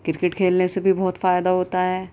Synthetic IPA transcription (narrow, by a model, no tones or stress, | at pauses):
kɪɾɪkɪʈkʰeːlnesebʱibɔɦːt̪faːjd̪aɦoːt̪aɦɛː